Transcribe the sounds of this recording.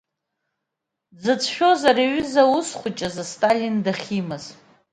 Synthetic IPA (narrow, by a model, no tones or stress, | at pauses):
d͡zɨt͡sʷʰʃᶣo̞zariɥʏzausχʷʊt͡ʃʼazastʼalʲindaχʲimɨz